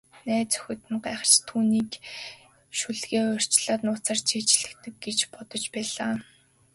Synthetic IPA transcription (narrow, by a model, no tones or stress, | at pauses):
næːt͡sœ̥xʲɵ̆t̪ɘ̆nɢaːχə̥̆t͡ɕt̪ʰuːniːk | ʃuɮɣeːʊr̥ʲt͡ɕɮaːt̪nʊːt͡saːrt͡ɕʰiːt͡ɕɮɘ̆kt̪ɘ̆k̚ɡet͡ɕpɔt̪ɞ̆t͡ɕpæːɮaː